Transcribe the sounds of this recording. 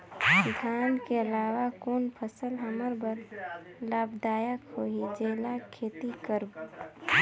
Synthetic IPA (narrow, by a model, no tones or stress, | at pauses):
sɪɡʰaːnkeəlaːwakoːnpʰəsəlɦəməɾbəɾ | laːbd̪aːjəkhoːid͡ʒeːlakʰeːt̪ikəɾbt̪